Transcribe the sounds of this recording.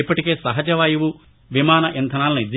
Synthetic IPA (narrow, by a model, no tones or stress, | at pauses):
ipːɐʈike̞ːsɐɦɐd͡ʒɐʋaːjuʋu | ʋimaːnɐʔent̪ʰɐnaːlɐnid̪